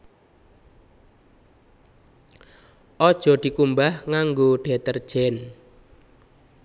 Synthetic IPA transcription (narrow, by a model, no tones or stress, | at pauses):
ʔɔd̥ʒ̥ɔ̤d̪̥i̤kumbahŋaŋɡoɖ̪̥ɛt̪ərd̥ʒ̥ɛn